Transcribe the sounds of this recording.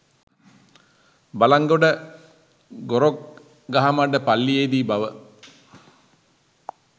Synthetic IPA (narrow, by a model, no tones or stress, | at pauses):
balaŋɡoɖə | ɡoɾok̚ | ɡaɦamaɖəpalːijed̪iːbaʋə